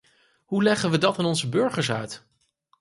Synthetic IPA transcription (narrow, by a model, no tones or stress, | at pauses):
ɦulɛχəʋədɑtɪnɔnzəbɵɹχəɹs̬œɥt